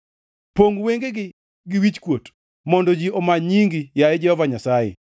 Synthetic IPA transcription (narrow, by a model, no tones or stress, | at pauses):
poŋɡweŋɡeɡɪ | ɡɪwit͡ʃkwot | mɔndɔd͡ʒiɔmaɲiŋɡijaɛd͡ʒɛhɔvaɲasajḛ